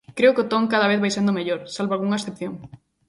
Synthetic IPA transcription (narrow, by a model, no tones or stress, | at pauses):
kɾeʊkot̪oŋkaðɐβ̞eθβajsand̪ʊmeʎoɾsalβoalɣuŋɐaesθepθjoŋ